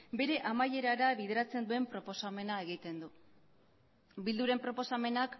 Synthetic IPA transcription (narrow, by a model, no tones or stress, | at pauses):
be̞ɾe̞ʔamaje̞ɾaɾaβið̞eɾat͡se̞nd̪ue̞mpɾo̞po̞same̞nae̞ɣ̞it̪e̞nd̪u | bild̪uɾe̞mpɾo̞po̞same̞nak